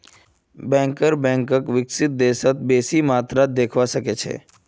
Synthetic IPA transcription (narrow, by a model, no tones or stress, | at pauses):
bɛ̃ŋkəɾbɛ̃ŋkəkʋɪksɪt̪̚d̪eːsət̪̚beːsimaːt̪ɾad̪eːkʰʋasəket͡ʃʰḛː